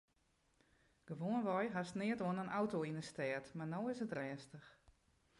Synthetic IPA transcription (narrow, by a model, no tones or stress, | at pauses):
ɡ̥əʋoənʋɔjɦasnɪətoənənawtoːinəstɛːtmarnoːɪsətrɛːstəx